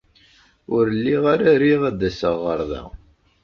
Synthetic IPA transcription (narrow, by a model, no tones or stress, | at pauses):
ʊɾəlːiʁaɾæɾiʁæd̪æsəʁːəɾˤðæ̰